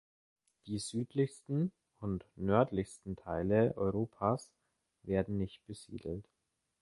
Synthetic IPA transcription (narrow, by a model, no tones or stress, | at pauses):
d̥iːzyːtʰlɪçstn̩ | ʊntnœɐtlɪçstn̩tʰaɪləʔɔ̰ʏʁoːpʰas | veːɐdn̩nɪçt̚b̥əzḭːdl̩t